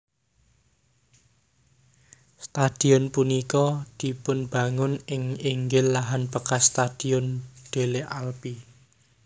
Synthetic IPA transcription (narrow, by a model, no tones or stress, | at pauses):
st̪ad̪̥i̤ʊnpunikɔd̪̥i̤pʊnb̥ä̤ŋʊnɪŋiŋɡɪlːaɦanpəkast̪ad̪̥i̤ʊnd̪̥e̤leʔalpi